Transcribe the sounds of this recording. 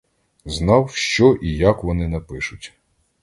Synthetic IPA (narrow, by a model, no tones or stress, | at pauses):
znɑwʃt͡ʃɔʔijakʋɔnɪnɐpɪʃʊtʲ